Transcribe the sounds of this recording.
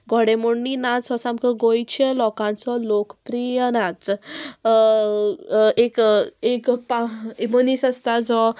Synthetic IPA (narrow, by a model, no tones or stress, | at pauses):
ɡʱɔɽemoɳːinat͡sɔsãmkəɡojt͡ɕəlɔkãnt͡sɔlokpɾijənat͡s | ekekpaemənisəst̪ad͡zɔ